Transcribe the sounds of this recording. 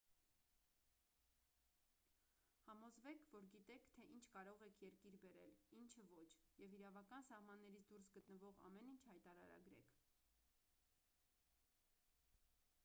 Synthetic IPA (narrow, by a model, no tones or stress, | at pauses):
hɑmɔzvɛkʰvɔɾɡit̪ɛkʰt̪ʰɛʔint͡ʃʰkɑɾɔʁɛkʰjɛɾkiɾbɛɾɛ̰lint͡ʃʰəvɔt͡ʃʰjɛviɾɑvɑkɑnsɑhmɑnːɛɾit͡sʰd̪uɾs̬ɡət̪nəvɔʁɑ̰mɛnint͡ʃʰhɑjt̪ɑɾɑ̰ɾɑ̰ɡɾɛ̰kʰ